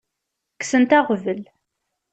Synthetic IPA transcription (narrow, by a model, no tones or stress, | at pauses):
ksənt̪æʁvəl